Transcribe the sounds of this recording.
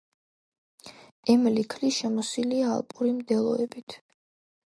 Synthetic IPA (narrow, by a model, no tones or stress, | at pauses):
ɛmlikʰliʃɛmɔsilia̰ːlˠpʼuɾimd̪ɛlˠɔɛbit̪ʰ